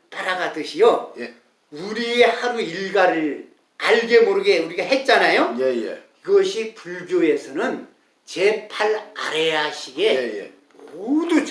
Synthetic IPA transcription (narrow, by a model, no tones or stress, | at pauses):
paɾaɡadɯɕʰijʌ | uɾie̞haɾuiɭɡaɾɯɭ | aɭɡemʌɾɯɡeuɾiɡaɦe̞t̚t͡ɕ͈anajojjḛ | iɡʌɕʰipuɭbjoe̞sʰʌnɯn | t͡ɕe̞pʰaɭa̰ɾe̞aɕʰiɡe̞ | modut͡ɕ